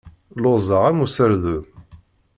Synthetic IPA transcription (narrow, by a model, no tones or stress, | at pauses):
lozˤəʁamusəɾðu